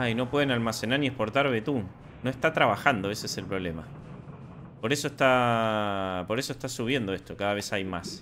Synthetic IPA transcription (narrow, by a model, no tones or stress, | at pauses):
aino̞pwe̞ðenalmase̞naɾnie̞spo̞ɾt̪aɾβe̞t̪u | no̞est̪at̪ɾaβaxand̪oesoese̞lpɾo̞β̞le̞ma | po̞ɾe̞soest̪a | po̞ɾe̞so̞est̪asuβ̞je̞nd̪o̞e̞st̪o̞kaðaβ̞e̞sajmas